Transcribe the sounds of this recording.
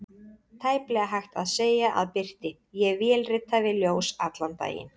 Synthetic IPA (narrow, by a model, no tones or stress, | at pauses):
t̪ʰaːjplɛɣaɦajxt̪aðseːjaʔa̰ðpɪr̥t̪ɪ | jɛɣvjɛːlrɪt̪ːavɪðljoːwsat̪lant̪a̰ːjɪ̰n